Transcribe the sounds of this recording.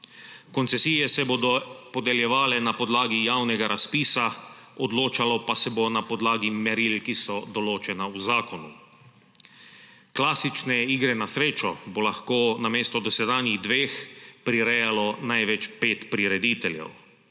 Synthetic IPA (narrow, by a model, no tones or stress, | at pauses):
kɔnt̪sɛsiːjɛsɛboːd̪ɔpɔd̪ɛljɛʋaːlɛnapɔd̪laːɡijawnɛɡaɾʔaspiːsa | ɔd̪loːt͡ʃalɔpasɛbonapɔd̪laːɡimɛɾilkisɔd̪ɔloːt͡ʃɛnauzaːkɔnṵ | klaːsit͡ʃnɛiːɡɾɛnasɾeːt͡ʃɔbolaxkoːnameːst̪ɔd̪ɔsɛd̪aːniɣd̪ʋeːxpɾiɾɛjalɔnajʋɛt͡ʃpeːt̪pɾiɾɛd̪iːt̪ɛljɛ̰w